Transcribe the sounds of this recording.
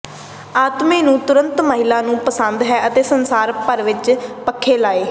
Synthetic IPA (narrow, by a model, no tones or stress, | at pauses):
aːt̪mẽːnũːt̪ʊɾə̃nt̪məɦɪlaːnũːpəsənd̪ɦɛːʔət̪eːsənsaːɾpəɾʋɪt͡ʃpəkʰːeːlaːeː